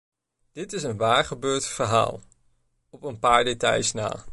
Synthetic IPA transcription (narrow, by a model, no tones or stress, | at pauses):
d̥ɪtɪs̬ənʋaːɹχəbøːɹtfəɹɦa̰ːlˠ | ɔpənpaːɹdetɑ̰jsna̰ː